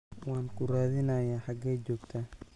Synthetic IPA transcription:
waːnkʊraːðɪnaːjaħaɡɛːd͡ʒɔːɡt̪ʰɐ

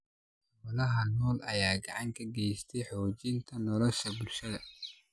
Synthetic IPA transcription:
wɐlɐɦɐnɔːlɐjaːɡɑʕɑŋkʰɐɡɛjst̪ʰɛjħɔːt͡ʃɪnt̪ʰɐnɔlɔʃɐbʊlʃɐðɐ

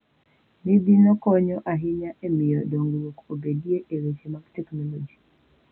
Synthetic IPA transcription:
nid̪inɔkɔɲɔʔaɦɪɲaʔemɪjɔdoŋɡɾwokobedieʔeɾet͡ʃemaɡtɛknɔlɔd͡ʒi̥

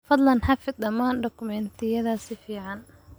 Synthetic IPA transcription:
fɐd̪lɐnħafɪd̪̚d̪ɐmaːnɖɔkʊmɛnt̪ʰɪjɐðaːsɪfiːʕɑn

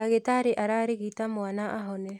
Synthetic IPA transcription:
aɣetaɾeʔaɾaːɾeɣitamoanaʔaɦɔnɛ

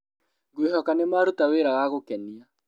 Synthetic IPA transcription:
ɡwiɦɔkanemaɾutaweːɾawaɣokɛnia

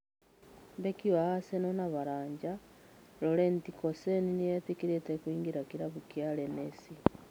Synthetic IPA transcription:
βekiwaɣasenonaβaɾaːɲɟalolentikoseninijetikiɾetekwiːŋɡiɾakiɾaβukjalenesi

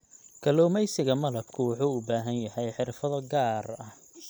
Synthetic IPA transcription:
kʰɐlɔːmɛjsɪɣɐmɐlɐb̚kʰʊwʊħuːʊbaːɦɐnjɐhɛjħɪrfɐðɐɡaːrɐh

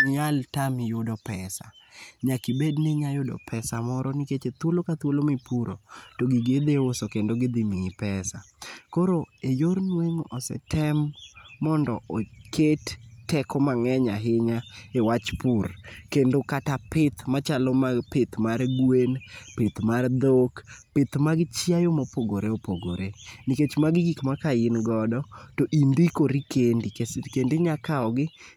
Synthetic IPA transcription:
ɲaltamɪjʊdɔpɛsa̰ɲakibednɪɲajʊdɔ̰pʰɛsamɔɾɔniket͡ʃet̪wolokat̪wolomipuɾo̰toɡiɡed̪eʊsɔkendoɡɪd̪imiŋipɛsakoɾoejornweŋɔsɛ̰tʰɛmːɔndɔɔkʰettːɛkɔmaŋɛɲaɦɪɲaewat͡ʃpʊrkendokatapɪt̪mat͡ʃalɔmapet̪marɡwenpɪt̪mard̪okpɪt̪maɡɪt͡ʃjajomɔpoɡoɾeopoɡo̰ɾeniket͡ʃmaɡɪɡikmakaɪnɡɔdɔtoʔindikoɾikendikkendɪɲakaɔɡɪ

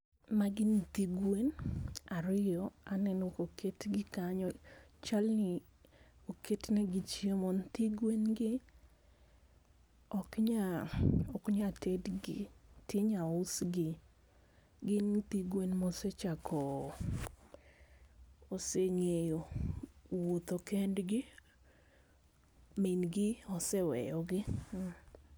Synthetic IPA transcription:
maɡɪntiɡwenaɾɪjɔanɛnokokʰetɡɪkaɲɔt͡ʃalnɪ | okʰetnɛɡit͡ʃiemɔntiɡwenɡɪ | ɔkɲaɔkɲatedɡɪtɪɲaʊsɡɪ | ɡɪnt̪iɡwenmɔset͡ʃakʰɔ | oseŋejo | wot̪okɛndɡɪ | minɡɪɔsɛwɛ̰jɔɡɪ

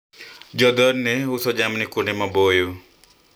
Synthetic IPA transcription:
d͡ʒɔd̪ɔɾneɦusɔd͡ʒamnikunemãboju

